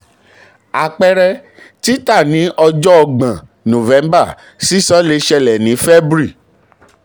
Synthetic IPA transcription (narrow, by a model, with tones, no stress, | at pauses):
a˨k͡pɛ˧ɾɛ˧ | ti˦ta˦˨nĩ˨˦ʔɔ˧d͡ʒɔ˦ɔ˧ɡ͡bã˨ | nõ˨vɛ̃˨˦mba˦˨ | si˦sɔ˦le˧˦ʃɛ˧lɛ˨nĩ˨˦fɛ˦bɾi˦˨